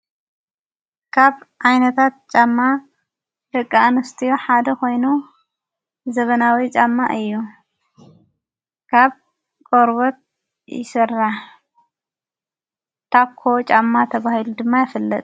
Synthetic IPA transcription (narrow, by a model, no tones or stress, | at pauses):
kʰaβʕajnɐt̪ʰat̪̚t͡ʃʼamːa | hɨkʼːanɨst̪ʰijoħad̪ɐkʰo̞jnu | zɐβɐnawit͡ʃʼamːa̰ʔɨjːu | kʰaβ | kʼoɾβot̪̚ | jɪsɨrːaħ | t̪ʰakʰːot͡ʃʼamːat̪ʰɐβahilud̪ɨmːajɪfɨlːɐt̪ʼ